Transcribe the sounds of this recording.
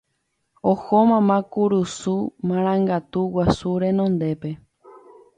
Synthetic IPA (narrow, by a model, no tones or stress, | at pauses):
ohomãmãkuɾusumãɾ̃ãŋɡat̪uwasuɾẽ̞nõnd̪e̞pe̞